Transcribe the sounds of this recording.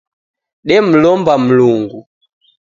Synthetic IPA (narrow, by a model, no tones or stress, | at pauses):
ɗɛm̩lɔmbam̩luŋɡu